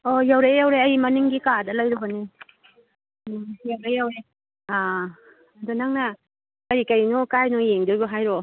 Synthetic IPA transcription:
ojawɾejawɾeɐjimɐniŋɡikadɐlɐjɾubɐni | jawɾejawɾe | a | donaŋna | kɐɾikajnukajnujeŋduboɦajɾo

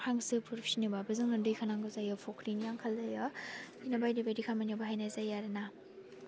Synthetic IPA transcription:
haŋsɯpʰuɾpʰi̥sinibabɯzɯŋnɯndɯjkʰanaŋɡɯzajɔpʰokʰɾinjaŋkʰɐlːɐjɔ | inɐbajdibedikʰamanjabaɦajnazajaɾena

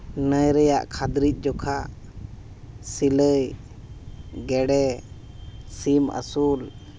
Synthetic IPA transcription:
nəjɾɛjaʔkʰad̪ɾic̪̚ˀd͡ʒɔkʰa | siləj | ɡɛɽɛ | simə̰sul

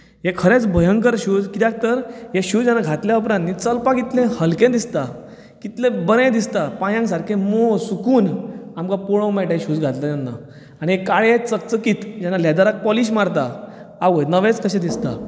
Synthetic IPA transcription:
ɦekʰəɾẽt͡sbʱəjəŋkəɾɕuːd͡zkit̪jãk̚t̪əɾɦeɕut͡sd͡ʑanːaɡʱat̪ljaup̬ɾãnnit͡səlpãkit̪lẽhəlkẽd̪ist̪a | kit̪lẽbəɾẽd̪ist̪apãjãŋks̬aɾkʰẽmosukuːnamkapoɭə̃wmɛʈaɕuːt͡sɡʱat̪lajanːa̰ | aɽ̃iɦekaɭet͡sək̚t͡səkiːt̪d͡ʑanalad̪aɾak̚pɔliɕ̬maɾt̪aaʋəjt̪nəʋẽt͡skəɕẽd̪ist̪a

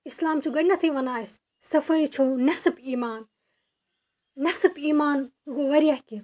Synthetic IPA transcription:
ɪslaːmt͡ʃʰuːɡɐɽnɐt̪ʰiʋɐnaːɪs | sɐfɐit͡ʃʰoːnɐsbiːmaːn | nɐsbiːmaːnukoʋɐɾiɐhki

